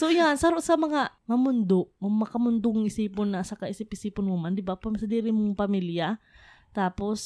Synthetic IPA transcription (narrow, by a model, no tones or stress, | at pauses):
sojansaɾoʔsamɐŋaŋamʊnd̪oʔmʊmɐkamʊnd̪ʊŋɪsiːpʊnːasakaʔɪsɪpɪsiːpʊnmʊmand̪ɪbapamsad̪iːɾɪmʊŋpamiljat̪aːpos